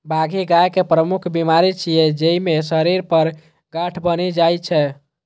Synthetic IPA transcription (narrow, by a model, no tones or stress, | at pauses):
bʱaɡʱiɡajkepɾəmukʰbimaɾit͡ʃʰijɛd͡ʒeimesəɾiɾpəɾ | ɡaʈʰbəned͡ʒajt͡ʃʰɛ